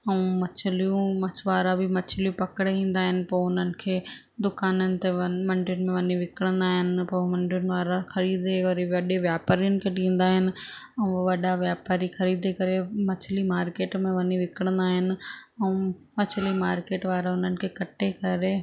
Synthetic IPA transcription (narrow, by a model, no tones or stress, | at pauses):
ɛũmɐt͡ɕʰɪlijũmɐt͡ɕʰʋaːɾabʱɪmɐt͡ɕʰɪlijũpɐkɪɽeʋĩːn̆d̪aːɦɪnɪ̆poːʊnənɪ̆kʰeː | d̪ʊkaːnənɪ̆t̪emɐ̃ɳɖɪjʊnmẽʋɐɲiʋɪkəɽə̃nd̪aːɦɪnɪ̆pomɐ̃ɳɖjʊnɪ̆ʋaːɾaxɐɾiːd̪ekɐɾeʋɐɗeʋjaːpaːɾijʊnɪ̆kʰeʈĩːn̆d̪aːɦɪnɪ̆ | ɛ̃ũʋɐɗaʋjaːpaːɾixɐɾiːd̪ekɐɾemɐt͡ɕʰɪlimaːɾkeːʈmẽʋɐɲiʋɪkɽ̃ə̃nd̪aːɦɪnɪ̆ɛ̃ũ | mɐt͡ɕʰɪlimaːɾkeːʈʋaːɾaʊn̤ənɪ̆kʰeːkɐʈekɐɾe